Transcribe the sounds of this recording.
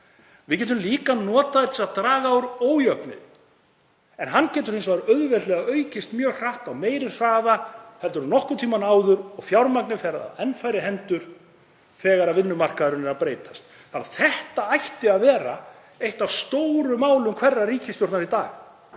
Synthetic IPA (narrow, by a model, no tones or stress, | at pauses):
vɪðc̬ɛːt̪̬ʏmliːkanɔːt̪aðɪɾt̪ʰɪlaðt̪ɾaːɣaːwɾoːwjœknɪ̰ð | ɛnɦanːcɛːt̪ʏɾ̥hɪnsvaɾœðvɛt̪lɛɣaðœːɥcɪst̪mjœːɣr̥ahkawmeːjɾɪr̥aːvahɛlt̪ɾnɔhkʏɾt̪ʰiːmanaːwðʏɾɔɣfjawɾmaknɪfɛɾaa̰ðɛnfajɾɪɦɛnt̪ʏɾ̥ | θɛːɣaɾaðvɪnːʏmar̥kaðʏɾʏnɛɾaðpɾejt̪ḁst̪ | θaɾθɛht̪aajht̪ɪaðvɛːɾa | ejht̪avst̪oːwɾʏmaːwlʏmkʰv̥ɛrːaɾiːcɪst̪jɔɾ̥t̪naɾit̪a̰ːɣ